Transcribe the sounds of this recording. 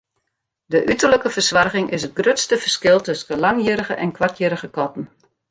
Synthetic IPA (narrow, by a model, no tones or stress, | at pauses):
dəʔytərləkəfərsʋarɣɪŋʔɪsət̚ɡrøtstəfərskɪlˠtɵsənəlɑŋjəɾəɣəʔɛnkʋartjəɾəɣəkɔtn̩